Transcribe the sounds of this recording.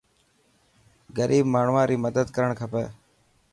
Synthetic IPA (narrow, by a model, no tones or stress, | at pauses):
ɡəɾʔiːbmaːɳ̤ʋãːɾiːməd̪əd̪kəɾəɳkʰəpḛː